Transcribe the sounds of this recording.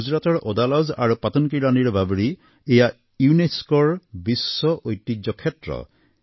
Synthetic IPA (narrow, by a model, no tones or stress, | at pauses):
uzɾat̪ɔɹʔɔd̪alɔza̰ɾupat̪ɔnkiɾaniɾɔbʱabɔɾi | eja | juneskɔɹbisːɔʔojtːid͡ʒɔkʰetɾɔ̰